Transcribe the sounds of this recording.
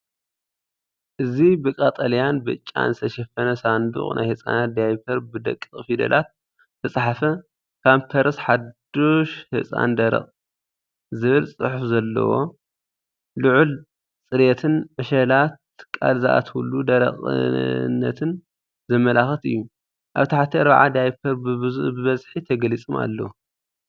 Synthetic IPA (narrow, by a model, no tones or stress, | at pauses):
ʔɨzibɨkʼat̪ʼɐlijanbɨ̰t͡ʃʼːa̰nzɨt̪ʰɐʃɐfɐnɐsand̪ṵχʼnʔa̰jhɨsʼa̰nat̪̚d̪ajpʰɐɾbɨd̪ɐ̰kʼːɨχʼfid̪ɐ̰lʔat̪̚ | t̪ʰɐsʼħafɐ | kʰampʰɐɾɨsħad̪oʃhɨ̰sʼa̰nd̪ɐɾɐ̰χʼ | zɨβɨlsʼɨħufzɐlːɐ̰wo̞̰ | luʕul | t͡sʼɨɾet̪ʰɨnʕɨʃɐlat̪̚ | kʼalzɨʔa̰t̪ʰulud̪ɐɾɐ̰χʼɨ̰nːɐ̰t̪ʰɨn | zɐmɐlaxɐt̪ɨ̰jːu | ʔaβt̪ʰaħat̪ʰiaɾβaʕa̰d̪ajpʰɐɾbɨβɨzuhbɨβɐzħit̪ʰɐɡɐlit͡sʼɨma̰lːɐu